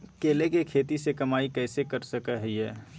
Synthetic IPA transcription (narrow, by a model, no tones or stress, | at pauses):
keːlekekʰeːt̪isekɐmaːikɛːsekɐɾsɐkəɦɐiɦɛː